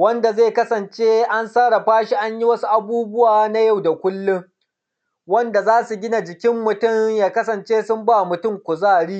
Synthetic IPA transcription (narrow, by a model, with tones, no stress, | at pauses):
wɐ˦nda˨zeː˦˨kɐ˦sɐ˨nt͡ʃeː˦ʔa˦nsaː˦ɽa˨ɸaː˦ʃi˦ʔa˦ɲji˦wɐ˦su˦ʔa˨buː˦bʊ˦waː˨na˦ja˦˨wda˨kʷʊ˦lːʊ˦ŋ | wɐ˦nda˨zaː˦su˨ɡʲɪ˦na˨d͡ʒɪ˨kʲɪ˦mːʊ˨tʊ˦˨ŋjaː˦kɐ˦sɐ˨nt͡ʃeː˦sʊ˦mba˦mʊ˨tʊ˦ŋkʷʊ˨zaː˦˨ɽiː˦